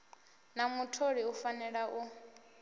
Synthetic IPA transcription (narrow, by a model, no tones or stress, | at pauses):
namutʰoɺiufanɛɺaʔu